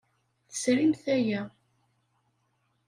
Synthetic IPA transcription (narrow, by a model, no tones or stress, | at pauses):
θə̥sɾimθæjæ